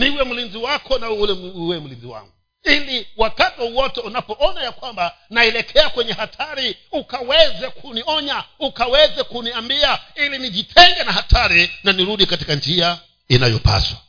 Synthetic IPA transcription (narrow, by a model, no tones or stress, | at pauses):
niwɛm̩linziwakʰɔnaulɛwɛm̩linziwa̰ŋɡu | iliwakatauwɔtɛunapɔʔɔnajakwambanailɛkʰɛakwɛɲɛhatʰaɾiukawɛzɛkuniɔɲaukawɛzɛkuniambiailiniʄitʰɛŋɡɛnahatʰaɾinaniɾuɗikati̥kand͡ʒia | inajɔ̰pa̰swa